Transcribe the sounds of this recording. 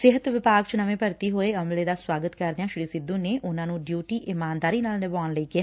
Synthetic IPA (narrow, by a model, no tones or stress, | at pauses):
sɪɦət̪ʋɪpaːkt͡ʃnəʋẽːpəɾt̪iːɦoːeːəmleːd̪aːswaːɡət̪kəɾd̪ejãːʃɪɾiːsɪd̪ːũːneːʔʊnãːnũːɖjuːʈiːʔɪmaːnd̪aːɾiːnaːlnɪbaːnləiːke